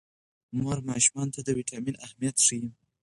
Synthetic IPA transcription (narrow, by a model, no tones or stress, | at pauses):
mɑɾmɑʃumɑnt̪ad̪əwiʈʰɑminahmijat̪ʂiji